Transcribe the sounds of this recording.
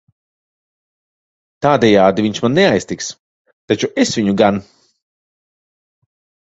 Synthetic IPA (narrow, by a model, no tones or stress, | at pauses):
t̪aːd̪ɛjaːd̪ivʲiɲʲʃmanːɛajst̪iks | t̪at͡ʃuʔesvʲiɲuɡan